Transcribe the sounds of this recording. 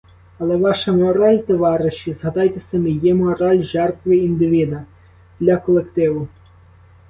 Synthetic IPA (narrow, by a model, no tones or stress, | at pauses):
ɐlˠɛʋɑʃɐmɔɾɑlʲt̪ɔʋɑɾɪʃizɦɐd̪ɑjt̪esʲɐmɪjɛmɔɾɑlʲʒɛrt̪ʋɪind̪ɪʋʲid̪ɐ | d̪lʲɐkɔlˠekt̪ɪʋʊ